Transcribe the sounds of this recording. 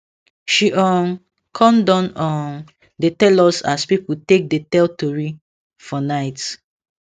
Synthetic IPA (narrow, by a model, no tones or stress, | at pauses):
ʃiʔɔ̃n | kʰɔ̃mdɔ̃nɔ̃n | detɛlɔsaspiputek̚detɛltoɹi | fɔnaɪt